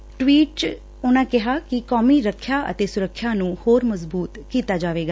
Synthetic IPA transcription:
ʈwiːʈ | ʊnãːkɪɦaːkɪkɔːmiːɾəkʰːjaːʔə̰t̪eːsʊɾəkʰːjaːnũːhoːɾməzbuːt̪kiːt̪aːd͡ʒaːʋeːɡaː

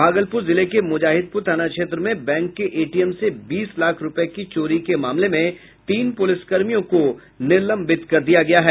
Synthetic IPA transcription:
bʱaːɡəlpʊːɾzɪlekemʊd͡ʒaːɦɪd̪̚pʊɾt̪ʰaːnakʃeːt̪ɾəmẽbɛ̃ːŋkːeʔeːʈijɛmsebiːslaːkʰɾʊpɛkit͡ʃoːɾikemaːmlemẽ | t̪iːnpʊlɪskɐɾmijõko | nɪɾlə̃mbɪt̪kɐɾd̪ijaɡɐjaɦɛː

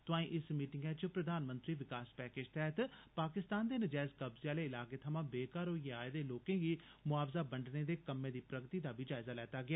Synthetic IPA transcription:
t̪ʊãːĩːʔɪsmiːʈɪŋɡɛːt͡ʃəpɾəd̪aːnmə̃nt̪ɾiːʋɪkaːspɛːkeːd͡ʒt̪ʰɛɦt̪paːkɪst̪aːnd̪eːnɪd͡ʒaːɪzkəbzɪjaːleːɪlaːkeːt̪ʰəmãːbeːkaːɾoːjaːed̪eːloːkẽːɡiːmʊaːfzaːbəɳɖneːd̪eːkəmːẽːd̪iːpɾəɡt̪iːd̪aːbʱiːd͡ʒaːɪzaːlɛːt̪aːɡɪaː

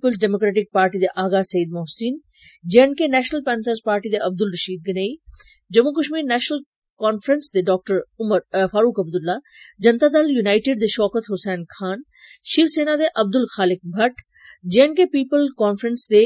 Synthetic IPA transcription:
pːpəlsɖeːmoːkɾɛːʈɪk̚paːɾʈid̪eʔaːɡasɐjid̪mɔɦsiːn | d͡ʒeənkenɛːʃnəlpɛːnsəɾspaːɾʈid̪eʔɐb̚d̪ʊlɾɐʃiːd̪̚ɡɐneːi | d͡ʒɐmukɐʃmiːɾnɛːʃnəl | kɔːnfɾənsd̪eɖɔːk̚ʈəɾʊməɾfaːɾuːkɐb̚d̪ʊlːad͡ʒɐnt̪aːd̪aljunaːɪʈɪɖd̪eʃɔːkət̪ɦʊsɛːnkʰaːn | ʃiɾseːnad̪eʔɐb̚d̪ʊlxaːlɪk̚bʱɐʈ | d͡ʒeɦnkepiːpəlkɔːnfɾənsd̪e

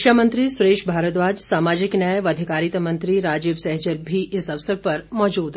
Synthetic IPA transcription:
ʃjaːmə̃nt̪ɾisʊɾeːʃbʱaːɾət̪ʋaːd͡ʒsaːmaːd͡ʒɪknɐʋɐd̪ʱikaːɾit̪mɐ̃nt̪ɾiɾaːd͡ʒiːʋsɛɦd͡ʒəɾbʱiʔɪsɐʋsəɾpɐɾmɔːd͡ʒuːd̪

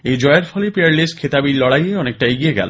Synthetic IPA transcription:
ed͡ʑɔeaɾfʰɔlepeaɾlesʈ̚kʰet̪abiɾlɔɽajeɔnek̚ʈajɡieɡɛ̰lo̰

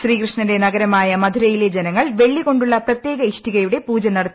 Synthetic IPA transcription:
ɕriːkrɨʂɳɐnde̞nɐɡɐɾɐmaːjɐmɐd̪ʱuɾɐjile̞d͡ʑenɐŋːɐɭʋe̞ɭːiɣo̞ɳɖuɭːɐprɐt̪je̞ːɡɐiʂʈiɣɐjuɽe̞puːd͡ʑɐnːɐɽɐ

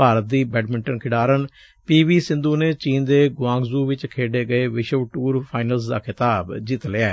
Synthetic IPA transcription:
aːɾət̪̚d̪iːbɛːɖmɪɳʈənkʰɪɽaːɾən | piːʋiːsɪ̃nd̪uːneːt͡ʃiːnd̪eːɡʊãːŋɡzuːʋɪt͡ʃkʰeːɖeːɡəeːʋɪʃəʋʈuːɾpʰaːɪnəlsd̪a̰ːkʰɪt̪aːbd͡ʒiːt̪leɛː

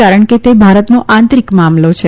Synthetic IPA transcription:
aɾəɳket̪ebʱaɾət̪noʔãnt̪ɾikmamlot͡ʃʰe

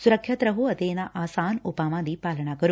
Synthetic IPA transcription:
sʊɾəkʰːjɐt̪ɾɐɦuɐt̪enaʔaːsaːnʊpaːʋãd̪iːpaːləɳakəɾu

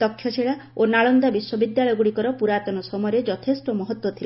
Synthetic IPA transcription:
d̪ɔkʰːjɔt͡ʃʰeɭaonaɭɔnd̪abiswɔbid̪jaɭɔjɔɡuɽikɔɾɔpuɾat̪ɔnɔsɔmɔjɾed͡ʒɔt̪ʰesʈɔmɔɦɔt̪wɔt̪ʰila

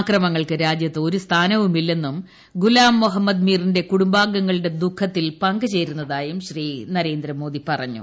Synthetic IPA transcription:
krɐmɐŋːɐɭkɨɾaːd͡ʑjɐt̪ːɨo̞ɾust̪ʰaːnɐʋumilːe̞nːum | ɡulaːmːuɦɐmːɐd̪miːrinde̞kuɽumbaːɡːɐŋːɐɭɨɽe̞d̪ukʰːɐt̪ːilpɐŋɡɨt͡ɕe̞jɾunːɐðaːjumɕriːnɐɾe̞ːnd̪ɾɐmo̞ːðipɐrɐ̰ɲːṵ

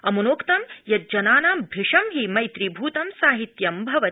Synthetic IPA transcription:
ɐmunoːkt̪ɐmjɐt̪̚d͡ʒɐnaːnaːmbʱiʂɐmɦimɐjt̪ɾibʱuːt̪ɐmsaːɦit̪jɐmbʱɐʋɐ

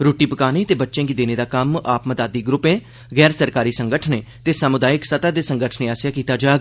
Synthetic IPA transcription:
ɾoːʈiːpəkaːneːt̪eːbətːʃẽːɡiːd̪eːneːd̪aːkəmaːpməd̪aːd̪iːɡɾʊpẽː | ɣɛːɾsəɾkaːɾiːsə̃ŋɡəʈʰəneː | t̪eːsamʊd̪aːɪksət̪aːd̪eːsə̃ŋɡəʈʰəneːaːsjaːkiːt̪aːd͡ʒaː

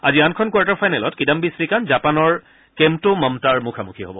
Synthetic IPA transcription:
aziankʰɔnkwaɹtaɹpʰajnɛlɔtkidambisɹikanzapanɔɹ | kɛmtʊmɔmtaɹmukʰamukʰiɦobɔ

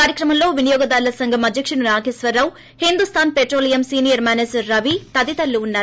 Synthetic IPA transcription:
kaːɾjɐkɾɐmɐmlo̞ːʋinijɔːɡɐd̪aːɾulɐsɐŋɡʱɐmɐd̪ʱjɐkʂɐɳunaːɡeːsʋɐɾːɐw | hind̪ust̪ʰaːnpeʈɾoːlijɐmsiːnijɐɾmaːnesːɐʋit̪ɐd̪it̪ɐlːuːnːaːɾu

